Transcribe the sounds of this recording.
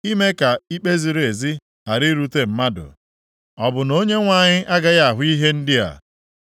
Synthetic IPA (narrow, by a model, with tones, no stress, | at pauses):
i˦me˦ka˨i˦k͡pe˦zi˨ɾe˨zi˦ | a˨ɾi˦ɾu˦te˦m̩˦ma˦dʊ̰˨ | ɔ˨bʊ˨no˦ɲe˦ŋʷa˦˨ɲɪ˦ʔa˦ɡa˦ja˦a˨ɦʊ˦i˦ɦe˦n̩˦dɪ˦a̰˨